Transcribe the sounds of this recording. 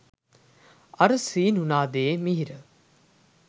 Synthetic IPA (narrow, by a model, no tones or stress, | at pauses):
ɐɾəsiːnɦunaːd̪eːmiɦiɾə